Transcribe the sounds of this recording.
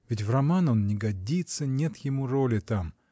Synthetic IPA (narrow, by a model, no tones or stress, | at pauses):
vʲɪtʲvrɐmano̞nnʲɪɡɐdʲit̪sənʲet̪jɪmuɾolʲɪt̪am